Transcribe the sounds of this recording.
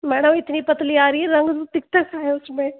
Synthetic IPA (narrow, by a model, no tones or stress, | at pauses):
maːɽ̃ɐmɪt̪niːpɐt̪liaːɾiɾɐŋɡt̪ut̪ɪk̚t̪akʰaːjosmẽ